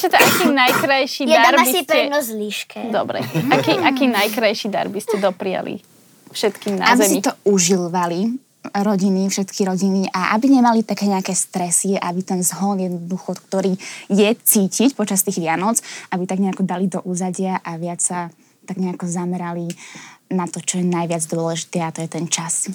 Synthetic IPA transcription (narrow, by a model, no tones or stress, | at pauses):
t͡ʃɛt̪ɔakiːmnajkɾajʃidjɛaaɾabiipɛnɔzliʃkʰɛd̪ɔbɾɛ̰akiʔakiːmnajkɾajʃid̪a̰ɾbiscɛd̪ɔpɾia̰lḭ | fʃɛt̪kiːmna̰abizɛsiit̪ɔuʒilʋali | ɾɔɟinifʃɛt̪kʰiɾɔɟiniʔaʔa̰biɲɛmalit̪akɛːɲɛakɛːst̪ɾɛsiɛʔa̰bit̪ɛnzɦɔnjɛd̪nɔd̪uxɔk̚t̪ɔɾiːjɛt͡siːcicpɔt͡ʃast̪iːɣʋɪanɔt͡sʔabit̪aɡɲɛakɔd̪alid̪ɔʔuːzaɟɪaʔaʋɪat͡ssa | t̪aɡɲɛakɔzamɛɾalinat̪ɔt͡ʃɔjɛnajʋɪad͡zd̪ʊɔlɛʒit̪ɛːat̪ɔjɛt̪ɛnt͡ʃas